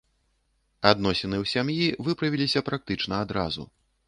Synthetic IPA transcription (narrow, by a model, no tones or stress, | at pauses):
ad̪nɔsʲɛnɨwsʲamjivɨpɾɐvʲilʲisʲɐpɾak̚t̪ɨt͡ʂn̪ɐad̪ɾa̰zṵ